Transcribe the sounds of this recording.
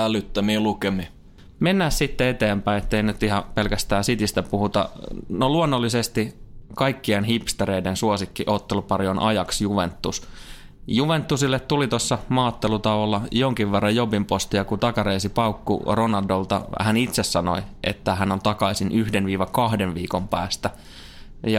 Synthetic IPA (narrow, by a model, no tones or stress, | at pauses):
ælːˑyt̪ːæmielukeme | menːæːssit̪ːeet̪eːmpæiet̪ːeinyt̪iɦɑpe̞lkæst̪æːsit̪ist̪æpuhut̪ɑ̰noluonːolːisest̪ikɑikːienɦipst̪eɾeidensuosikːiʔot̪ːelupɑɾionʔɑ̰jɑksjuʋḛnt̪ːus | juʋent̪ːusilːet̪t̪ulit̪osːɑmɑːt̪ːelut̪ɑʋolːɑjoŋkiʋːerːɑjjobimpost̪iɑkut̪ɑkɑɾeːsipɑukːṵronɑldolt̪ɑ̰hænit̪sesːɑno̰iʔḛt̪ːæhænont̪ɑkɑisinyhdenʋiːʋɑkɑhdenʋiːkompæ̰ːst̪æ | jɑ